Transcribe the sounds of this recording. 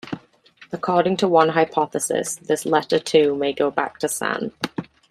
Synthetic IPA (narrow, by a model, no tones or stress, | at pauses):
əkʰɔːɾɪ̃ŋtʰəwʌ̃nɦaɪpʰɑθəsɪ̰sðɪslɛtətʰʉːmeɪɡoʊba̰k̚tʰəsã̰n